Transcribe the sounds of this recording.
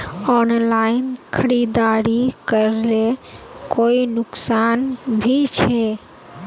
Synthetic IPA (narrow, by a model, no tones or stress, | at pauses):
ɔnlainkʰəɾid̪aɾikəɾlekoinʊksanbʱit͡ʃʰɛ